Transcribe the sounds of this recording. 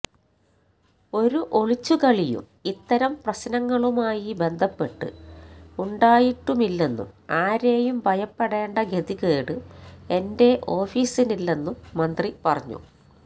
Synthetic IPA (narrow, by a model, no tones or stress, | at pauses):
o̞ɾuʔo̞ɭit͡ɕːukɐɭijṵm | it̪ːɐɾɐmprɐɕnɐŋːɐɭumaːjibe̞nd̪ʱɐpːe̞ʈːɨ̰uɳɖaːjiʈːumilːe̞nːṵmaːɾeːjumbʱɐjɐpːeɽeːɳɖɐɡe̞ðiɣeːɽɨe̞nde̞ʔo̞ːfiːsinilːe̞nːumːɐnd̪ripɐrɐɲːṵ